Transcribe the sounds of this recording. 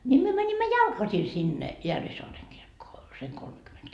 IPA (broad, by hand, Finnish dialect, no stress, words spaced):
nʲi myø mænimːæ jɑlkɑsi sinːe jærʋisoɑreŋ kirkːoː seŋ kolmekyment